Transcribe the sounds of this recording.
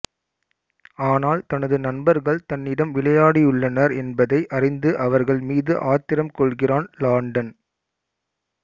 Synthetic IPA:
aːnaːlt̪ɐnɐðɯnɐnbɐɾɣɐɭt̪ɐnːɪɽɐmʋɪɭɐjaːɽijʊɭːɐnɐɾɛnbɐðɐɪʔɐrɪnd̪ɯʔɐʋɐɾɣɐɭmiːðɯʔaːt̪ɪɾɐmkɔɭɣɪraːnlaːɳɖɐn

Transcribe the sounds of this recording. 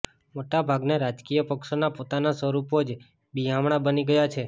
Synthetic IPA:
moʈabʱaɡneɾad͡ʒkijəpəkʃonapot̪anasʋəɾupod͡ʒ | biɦãmɽ̃abəniɡəjat͡ʃʰe

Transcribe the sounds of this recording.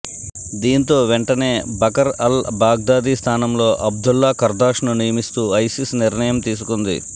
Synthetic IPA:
d̪iːnt̪o̞ːʋɛɳʈɐne̞ːbʱɐkɐɾɐlbaːɡ̚d̪aːd̪ist̪ʰaːnɐmlo̞ːʔɐb̚d̪ulːakɐɾd̪aːʂnunijɐmist̪uːɐjsisniɾɳɐjɐmt̪iːs̬ukund̪ḭ

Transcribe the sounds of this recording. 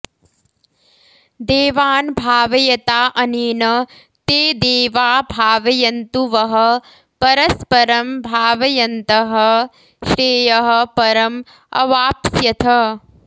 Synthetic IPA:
d̪eːʋaːnbʱaːʋɐjɐt̪aːʔɐniːnɐ | t̪eːd̪eːʋaːbʱaːʋɐjɐnt̪uʋɐɦɐ̆ | pɐɾɐspɐɾɐmbʱaːʋɐjɐnt̪ɐɦɐ | ʃɾeːjɐɦɐ̆pɐɾɐm | ɐ̰ʋaːpsjɐt̪ʰɐ

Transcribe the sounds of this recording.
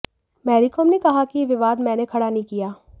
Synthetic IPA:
mɛːɾikoːmnekɐɦakijeʋɪʋaːd̪mɛ̃ːnekʰɐɽanɐɦĩkijaː

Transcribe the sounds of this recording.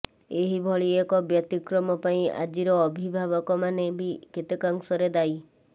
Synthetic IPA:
eɦibʱɔɭiekɔbjɔt̪ikɾɔmɔpaĩa̰d͡ʒiɾɔːbʱibʱaβɔkɔmanebʱiket̪ekaŋsɔɾed̪aj

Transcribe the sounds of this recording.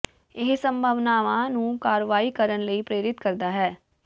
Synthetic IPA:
ɪɦsəmbʱəʋnaːʋãnũːkaːɾʋaːiːkəɾənləiːpɾeːɾɪt̪kəɾd̪aːɦɛː

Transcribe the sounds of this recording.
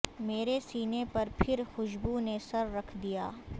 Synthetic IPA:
meːɾesiːnepɐɾpʰɪɾxʊʃbunesɐɾːɐkʰd̪ijaː

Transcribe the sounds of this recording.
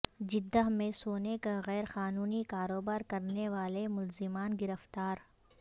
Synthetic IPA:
d͡ʒɪd̪ːəɦmẽsoːnekaɣɛːɾxaːnuːnikaːɾoːbaːɾkɐɾneʋaːlemʊlzɪmaːnɡɪɾəft̪aːɾ

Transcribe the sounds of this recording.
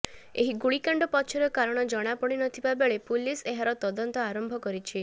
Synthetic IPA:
eɦiɡuɭikaɳɖɔpɔt͡ʃʰɔɾɔkaɾɔɽ̃ɔd͡ʒɔɽ̃apɔɽ̃inɔt̪ʰibabeɭepuliseɦaɾɔt̪ɔd̪ɔnt̪ɔaɾɔmbʱɔkɔɾit͡ʃʰi

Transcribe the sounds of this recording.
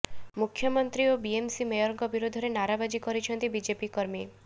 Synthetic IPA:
mukʰːjɔmɔnt̪ɾiobiemsimejɔɾŋɡɔbiɾod̪ʱɔɾenaɾabad͡ʒikɔɾit͡ʃʰɔnt̪ibid͡ʒepikɔɾmi

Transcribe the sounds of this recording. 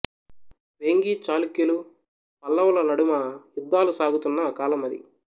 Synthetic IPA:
ʋeŋɡiːt͡ʃaːlukjɐlu | pɐlːɐwlɐnɐɽumɐjud̪ʱːaːlusaːɡut̪unːɐːkaːlɐmɐd̪ḭ

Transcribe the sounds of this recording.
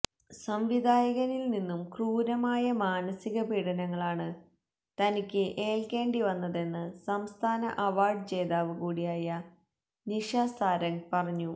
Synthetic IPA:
sɐmʋid̪ʱaːjɐɣɐnilninːumkruːɾɐmaːjɐmaːnɐsiɣɐpiːɽɐnɐŋːɐɭaːɳɨ | t̪ɐnikʲːɨʔe̞ːlke̞ːɳɖiʋɐnːɐðe̞nːɨsɐmst̪ʰaːnɐ̰ʔɐʋaːrɖɨt͡ɕe̞ːðaːʋɨkuːɽijaːjɐ | niʂaːsaːɾɐŋpɐrɐɲːu

